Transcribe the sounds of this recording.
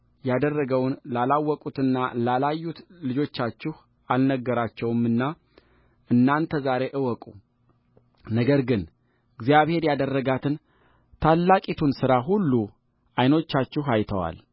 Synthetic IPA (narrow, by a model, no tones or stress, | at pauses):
jad̪ərːəɡəwnlalawːɔkʼut̪ɨnːalalajːut̪lɨd͡ʒo̞t͡ʃːat͡ʃːɪh | alnəɡːəɾat͡ʃːɛwɨmɨnːa | ɨnːant̪ʰəzaɾe̞ʔɨwɔkʼu | nəɡəɾɡɨn | ɨɡzijaβhe̞ɾjad̪ərːəɡat̪ʰɨn | t̪ʰalːakʼit̪ʰunsɨɾaɦulːu | ʔajno̞t͡ʃːat͡ʃːɪhajt̪ʰəwa̰l